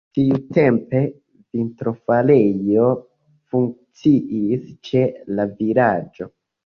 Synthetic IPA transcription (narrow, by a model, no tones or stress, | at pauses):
tiute̞mpe̞ | vintɾo̞falejo̞ | fuŋk̚t͡siʔist͡ʃe̞lavilad͡ʒo̞